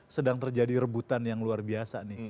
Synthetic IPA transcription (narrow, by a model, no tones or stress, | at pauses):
sədaŋt̪ərd͡ʒadiɾəbut̪anjaŋluarbiasanɪh